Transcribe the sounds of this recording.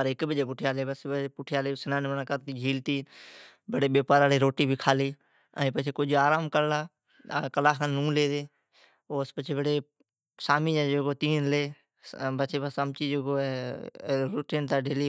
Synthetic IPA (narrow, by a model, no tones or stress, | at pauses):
əɾɪkbəd͡ʒeːp̬ʊʈʰɪjaːleːbəspʊʈʰɪjaːleːsənãːnbənãːkəɾt̪iːd͡ʒʱiːlt̪iː | bəɽeːbeːpaːɾaːɽeːɾoːʈiːbʱiːkʰaːliː | a̰ːĩːpət͡ʃʰeːkod͡ʒaːɾaːmkəɾlaː | kəlaːkãːnũːleːd̪eː | oːspət͡ʃʰeːbəɽeː | saːmiːd͡ʒad͡ʒeːɡoːt̪iːnleː | bət͡ʃʰeːbəsəmt͡ʃiːd͡ʒeɡoːɛ | ɾʊʈiːnt̪aːɖeːliː